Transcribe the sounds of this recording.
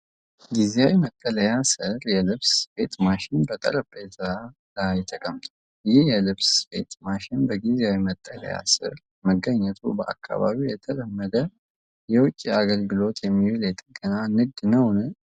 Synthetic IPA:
ɡizjawimət̪ʼːələjasɨɾjɛlɨβsfe̞t̪ʼmaʃɪnbət̪ʼə̰ɾəbet̪a | lajɛt̪ʰəkʼəmːt̪ʰʼu | jɪhjɛlɨβsfe̞̰t̪ʼmaʃɪnbəɡizeawimət̪ʼːələ̰ja̰sɨ̰ɾ | məɡːəɲːɛt̪ʰṵbəʔa̰kʰːa̰βa̰βiwjɛt̪ʰələmːəd̪ə | jɛwʊt͡ʃʼːiaɡəlɡɨlo̞t̪ʰjɛmːihɨljɛt̪ʼəɡʼənanɨɡ̚d̪nəwnɨ

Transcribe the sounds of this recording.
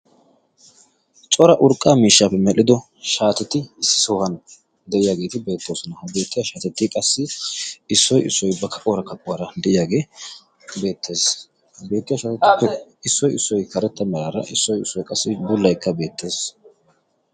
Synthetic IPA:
t͡ʃʼɔɾɐʔʊɾkʼːaːmiːʃːaːpːɛmɛɗɪd̪ɔ | ʃaːt̪ɛt̪ɪsːɪ̥soːhɐn | d̪ɛʔɪjaːɡe̞ːt̪ɪbe̞ːt̪ːoːsʊnɐhɐbe̞ːt̪ːɪjaʃaːt̪ɛt̪ːɪkʼɐsːɪɪsːɔjɪsːɔjbɐkʰɐʔʼoːɾɐkɐkʼːʊwaɾɐd̪ɛʔɪjaːɡe̞ː | be̞ːt̪ʰːe̞ːs | be̞ːt̪ːɪjaʃaːt̪ɛt̪ːɪpːɛɪsːɔjɪsːɔjkɐɾɛt̪ːɐmɛɾaːɾɐ̰ʔɪsːɔjɪsːɔjkʼɐsːɪbʊlːɐjkːɐbe̞ːt̪ːe̞ːs

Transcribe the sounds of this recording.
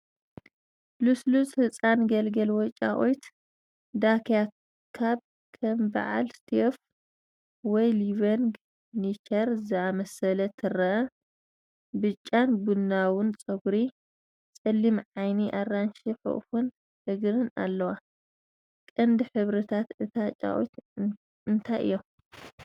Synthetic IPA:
luslusʼhɨt͡sʼanɡɐlɡɐlwɔt͡ʃʼa̰ʔojt̪ | d̪akʰja | kʰab | kʰɐmba̰ʕa̰lst̪ʰef | wɔjliβɐŋɡ | nit͡ʃʰɐɾzɨamɐsɐlɐt̪ʰɨɾɐʔɐ | bɨt͡ʃʼːanbunːawʊnt͡sʼɐɡɾi | t͡sʼɐlːimʕajniʔarːanʃiħṵʔfun | ʔɨɡɾɨna̰lːɐwa | kʼɐnd̪ɨħɨβɾɨt̪ʰat̪ɨt̪ʰat͡ʃʼa̰ʔo̰jt̪ | ɨnt̪ʰajʔɨ̰jːom

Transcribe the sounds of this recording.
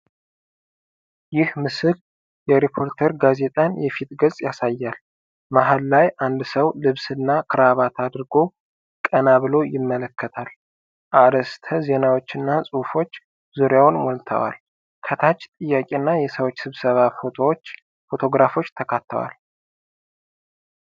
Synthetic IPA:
jɪhmɨsɨl | jɛɾipʰo̞ɾt̪ʰəɾɡaze̞t̪ʼanjɛfit̪̚ɡəzʼjasajːal | maɦalːajʔand̪səwlɨβsɨnːakʰɨɾaβat̪ʰad̪ɾɡo̞ | kʼənaβɨlo̞jɪmːələkʰːət̪ʰal | ʔaɾəst̪ʰəze̞nawot͡ʃːɪnːasʼufo̞t͡ʃː | zuɾjawnwɔlt̪ʰə̰wa̰l | kʰət̪ʰat͡ʃːt̪ʼɨjːakʼenːajɛsəwo̞t͡ʃːsɨβsəβafo̞t̪ʰowot͡ʃː | fo̞t̪ʰo̞ɡɾafo̞t͡ʃːt̪ʰəkʰat̪ʰːə̰wa̰l

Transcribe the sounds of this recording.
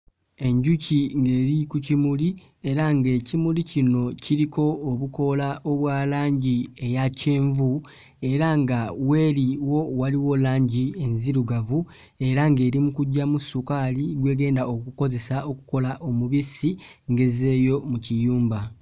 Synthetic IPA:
e̞ɲɟuciŋɡe̞ːɾikucimuli | e̞ɾaŋɡe̞cimulicino̞ciɾiko̞ːβuko̞laʔoβwaːlaːɲɟie̞jace̞ːɱvu | e̞ɾaŋɡawe̞ːɾiwo̞waliwo̞laːɲɟie̞nziɾuɡavu | e̞ɾaŋɡe̞ːɾimukuɟːamusukaliɡwe̞ːɡe̞ːndao̞kuko̞ze̞sao̞ku̥ko̞laʔomuβisiŋɡe̞ze̞ːjo̞mucijuːmba

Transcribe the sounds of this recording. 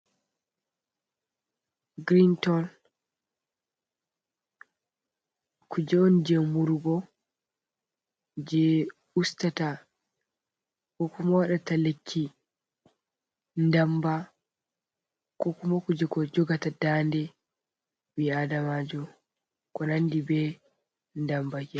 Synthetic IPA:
ɡɾintɔl | kud͡ʒɛɔnd͡ʒɛmuɾɡɔ | d͡ʒɛ | ustata | kɔkumawaɗatalekʰːi | ndamba | kɔkumakud͡ʒɛkɔd͡ʒɔɡatadandɛ | biadamad͡ʒɔ | kɔnandibɛ | ndambad͡ʒɛ

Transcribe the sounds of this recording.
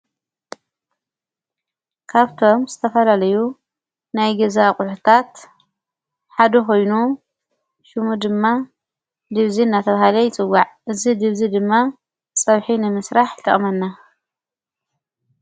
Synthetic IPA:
kʰaβt̪ʰo̞mzɨt̪ʰɐfɐlalɐju | najɡɐzakʼʊħut̪ʰat̪ | ħad̪ɐko̞jnu | ʃɨmud̪ɨmːa | d̪ɨβziɨnːat̪ʰɐβahalɐjɪt͡sʼɨwːaʕʔɨzid̪ɨβzid̪ɨmːa | t͡sʼɐβħinɨmɨsɾaħt̪ʰɨ̰χʼmɐnːa

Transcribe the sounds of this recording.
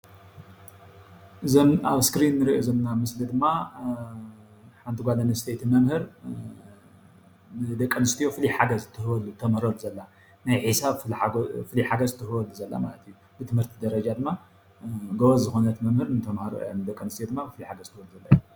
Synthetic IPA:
ʔɨzmaβskɾinːɨɾiʔozomnamɨslid̪ɨmːa | ħant̪ʰɨɡʷalɐnɐst̪ʰet̪ʰmɐmhɨɾ | nɨd̪ɐkʼːɐnɨst̪ʰijo̞fɨliħaɡɐzɨt̪ʰːɨhɨbɐlut̪ʰɐmhɾɐluzɐlːa | najħɨsaβfɨliħaɡɐzɨt̪ʰːɨhɨbɐluzɐlːa̰ma̰lɐt̪ʰiju | bɨt̪ʰɨmhɨɾt̪ʰid̪ɐɾɐd͡ʒad̪ɨmːa | ɡoβɐzzɨxonɐt̪mɐmhɨɾnɨt̪ʰɐmhaɾo̰ʔjanɨd̪ɐkʼːɐnɨst̪ijod̪ɨmːafɨliħaɡɐzt̪ʰɨboluzɐlːaju

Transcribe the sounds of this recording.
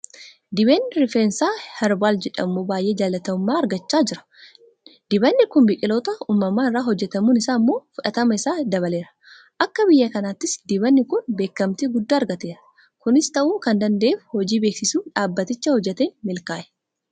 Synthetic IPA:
d̪ɪbe̞ːnːɪɾɪfeːnsaːhɛɾbaːld͡ʒɛᶑɐmːubaːjʔe̞ːd͡ʒaːlɐt̪ɐʊmːaːɐɾɡɐt͡ʃːaːd͡ʒɪɾɐ̥ | d̪̥ɪbɐnːɪkʊnbɪkʼɪlo̞ːt̪ɐuːmːɐmaːɪrːaːɦɔd͡ʒːɛt̪ɐmuːnɪsaːmːo̞ːfʊᶑɐt̪ɐmɐɪsaːd̪ɐβɐle̞ːɾɐ̥ | ʔɐkːɐbɪjːɐkɐnaːt̪ːɪsd̪ɪbɐnːɪkʊnbe̞ːkːɐmt̪iɡʊd̪ːaːɐɾɡɐt̪eːɾɐ̥ | kʊnɪst̪ɐʔuːkɐnd̪ɐnd̪e̞ːfhɔd͡ʒiːbeːksɪsuːᶑaːbːɐt̪ɪt͡ʃːɐhɔd͡ʒːɛt̪eːnmɪlkaːʔɛ̥

